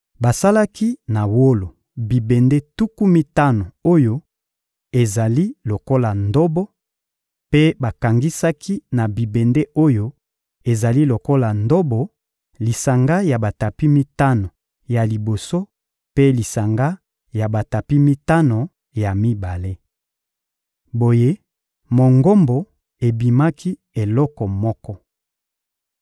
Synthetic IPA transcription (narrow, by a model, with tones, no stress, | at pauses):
ba˨sa˦la˦ki˦na˨wo˦lo˨ | bi˨be˨nde˦tu˦ku˦mi˦ta˦no˨o˦jo˦ | e˨za˨li˦lo˨ko˦la˨ndo˦bɔ˦ | pe˦ba˨ka˨ŋɡi˦sa˦ki˦na˨bi˨be˨nde˦ʔo˦jo˦ | e˨za˨li˦lo˨ko˦la˨ndo˦bɔ˨ | li˨sa˨ŋɡa˦ja˨ba˨ta˨pi˦mi˦ta˦no˨ | ja˨li˨bo˨so˦ | pe˦li˨sa˨ŋɡa˦ | ja˨ba˨ta˨pi˦mi˦ta˦no˨ | ja˨mi˦ba˨le˦ | bo˨je˦ | mo˨ŋɡo˦mbo˨ | e˨bi˨ma˦kʰi˦ | e˨lɔ˦kɔ˨mɔ˦kɔ˦